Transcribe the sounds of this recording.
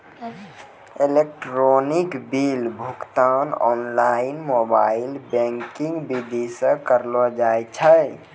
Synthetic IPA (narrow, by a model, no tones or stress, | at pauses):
elek̚ʈɾonikbilbʱukt̪anɔnlainmoba̰ilbɛ̃ŋkiŋɡbid̪isə̃kəɾlɔd͡ʒajt͡ʃʰəj